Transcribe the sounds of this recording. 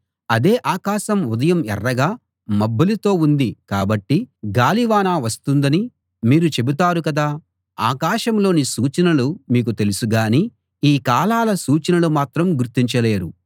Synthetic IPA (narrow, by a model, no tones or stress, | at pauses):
ɐd̪e̞ːʔaːkaːʃɐmud̪ɐjɐmɛ̰rːɐɡaː | mɐbːɐlit̪o̞ːund̪ika̰ːbɐʈːiɡaːliʋaːnaːʋɐst̪und̪ɐni | miːɾut͡ʃe̞but̪aːɾukɐd̪aː | a̰ːkaːʃɐmlo̞ːnisuːt͡ʃɐnɐlumiːk̬ut̪e̞lusuɡaːni | iːkaːlaːlɐsuːt͡ʃɐnɐlumaːt̪ɾɐmɡuɾt̪ːiɲt͡ʃɐle̞ːɾu